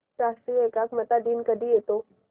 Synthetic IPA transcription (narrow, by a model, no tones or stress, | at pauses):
ʈasiekakmət̪aɖiːnkəd̪ijet̪o